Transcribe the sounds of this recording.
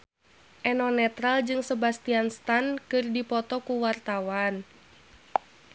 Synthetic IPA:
ʔɛnɔnɛt̪ɾald͡ʒɨŋsəbast̪ianst̪ankɨrdipɔt̪ɔkuwart̪awan

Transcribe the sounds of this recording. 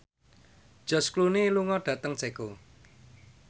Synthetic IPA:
d̥ʒ̥ɔ̤skluneluŋɔɖ̥ä̤t̪əŋt͡ʃeko

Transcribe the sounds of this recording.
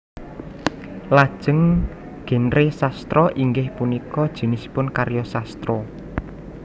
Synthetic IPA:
lad̥ʒ̥ə̤ŋ | ɡ̥e̤nɾesast̪ɾɔʔiŋɡɪhpunikɔd̥ʒ̥i̤nɪsi̥pʊnkaɾjɔsast̪ɾɔ

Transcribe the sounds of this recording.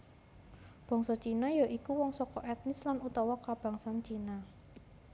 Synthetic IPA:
b̥ɔ̤ŋsɔt͡ʃinɔjɔʔikuwɔŋsɔkɔʔɛt̪̚nɪslanut̪ɔwɔkab̥ä̤ŋsant͡ʃina

